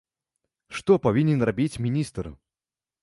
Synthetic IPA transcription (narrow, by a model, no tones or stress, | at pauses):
ʂt̪opɐvʲinʲɪnrɐbʲitʲmʲɪnʲist̪r